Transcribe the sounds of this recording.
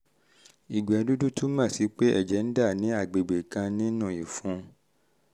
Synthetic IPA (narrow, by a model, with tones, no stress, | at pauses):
i˨ɡ͡bɛ˨ɔ˨˧du˦du˦tu˦mã˦˨si˨˦k͡pe˦ʔɛ̰˦˨d͡ʒɛ˨˦n̩˦da˦˨nĩ˨˦a˦˨ɡ͡be˨ɡ͡be˨kã˧nĩ˦nũ˦˨i˨fũ˨˦